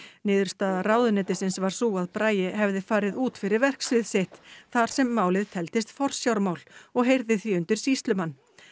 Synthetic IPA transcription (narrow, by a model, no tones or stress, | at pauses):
nɪːðʏɾ̥st̪aːðaraːwðʏnɛːt̪ɪsɪnsvaɾ̥suːaðpɾaːjɪɦɛvðɪfaːɾɪðuːt̪fɪɾɪɾvɛr̥ksvɪðsɪht̪θaɾ̥sɛmːaːwlɪðt̪ʰɛlt̪ɪst̪fɔr̥sjawɾmaːwlɔɣɦejɾðɪθviʏnt̪ɪɾ̥sist̪lʏmanː